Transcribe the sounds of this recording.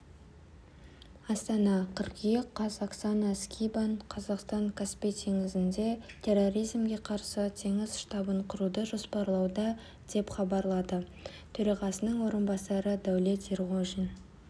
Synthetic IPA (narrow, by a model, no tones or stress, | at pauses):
ɑst̪ɑnɑqʰəɾkijeqʰːɑsaksɑnaskʲʰijbaɴqʰɑzɑqst̪ɑŋkʲʰaspijt̪ʰe̞ŋɪzɪnd̪e̞t̪ʰe̞rːo̞ɾijzmɡʲe̞qʰɑɾsət̪ʰe̞ŋɪzʃt̪ɑbəɴqʰʊɾud̪əʒo̞spɑɾlˠɑwd̪ɑ | d̪̥e̞pχɑbɑɾlˠɑd̪ə | t̪ʰɵɾɑʁɑsənəɴwo̞ɾənbɑsɑɾəd̪æwlʲe̞t̪erʁoʒin